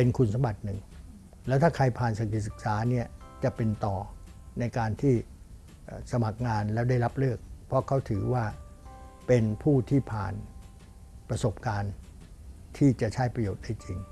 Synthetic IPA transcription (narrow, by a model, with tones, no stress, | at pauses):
pe˧nkʰu˧nsa˧mba˨˩t̪̚nɯ˨˩ŋ | lɛː˦˥wt̪ʰaː˥˩kʰa˧jpʰaː˨˩nsa˨˩k̪̚i˨˩sɯ˨˩k̚saː˩˦ni˥˩ɐt͡ɕa˨˩ʔpe˧nt̪ɔː˨˩na˧jkaː˧nt̪ʰiː˥˩ | ʔːsa˧ma˨˩k̚ŋaː˧nlɛː˦˥wda˥˩jɾa˦˥p̚lɯ˥˩ək̚pʰɾɔ˦˥kʰa˦˥˩wt̪ʰɯː˩˦waː˥˩ | pe˧npʰuː˥˩t̪ʰiː˥˩pʰa̰ː˨˩n | pɾa˧so˨˩p̚kaː˧n | t̪ʰiː˥˩t͡ɕa˨˩t͡ɕʰa˦˥jpɾa˧joː˨˩t̪̚da˥˩jt͡ɕi˧ŋ